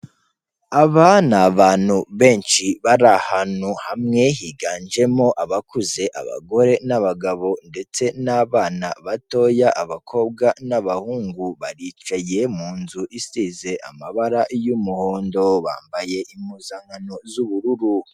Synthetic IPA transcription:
aβanaβaːnhuβe̞ːnʃiβaɾahanuhamŋe̞ɦiɡaːnd͡ʒe̞mo̞ʔaβakuze̞ʔa̰βa̰ɡo̞ɾe̞naβaɡaβo̞nde̞t͡se̞naβaːnaβato̞jaʔaβakʰo̞b̚ɡanaβahuːŋɡuβaɾit͡ʃaje̞muːnzuʔisize̞ʔa̰maβaɾajumuhoːndo̞βa̰ːmbaje̞ʔimuzaŋanozuβuɾuɾu

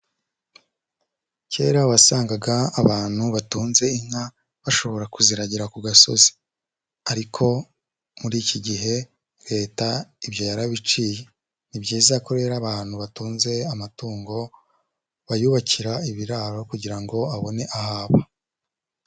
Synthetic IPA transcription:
ce̞ːɾawasaːŋɡaɡaːβaːn̥huβatuːnze̞iŋ̥ha | βaʃo̞βo̞ɾakuziɾaɟiɾakuɡaso̞̰zi̥ | aɾikʰo̞ | muɾiːciɟiɦe̞ | ɾe̞ːtaibjo̞jaɾaβit͡ʃiːje̞ | nibɟiːzakoɾe̞ːɾaβaːn̥huβatuːnze̞amatuːŋɡo̞ | βajuβaciɾaiβiɾaɾo̞kuɟiɾaŋɡo̞aβo̞ne̞ʔahaːβa

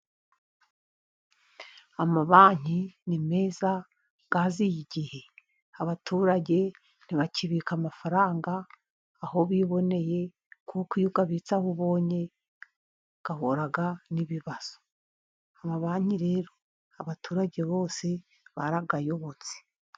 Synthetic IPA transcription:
amaβaːɲ̥inime̞ːza | ɡ̥azijiɟihe̞ | aβatʰuːɾaɟe̞ | n̥iβaciβiːkamafaɾaːŋɡaː | ho̞βiːβo̞ne̞je̞ | kʰukujuɡaβiːt͡sahuβo̞ːɲe̞ | ɡ̥ahoɾaɡaniβiβaz̥o̥ | amaβaːɲ̥iɾe̞ːɾo̞ | aβatʰuːɾaɟe̞βo̞ːse̞ | βaɾaɡajo̞βot͡se̥

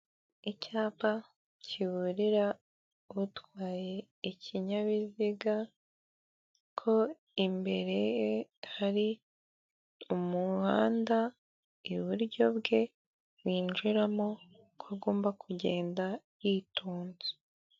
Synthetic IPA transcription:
icaːpa | cʰiβuɾiɾa | βutwaːje̞ | icʰiɲaβiziɡa | kʰo̞ | imbe̞ɾe̞jehaɾi | umuhaːnda | iβuɾɟo̞βɡe̞ | βiːnd͡ʒuɾamo | kʰuɡo̞ːmbakʰuɟe̞ːnda | jituːnzi̥

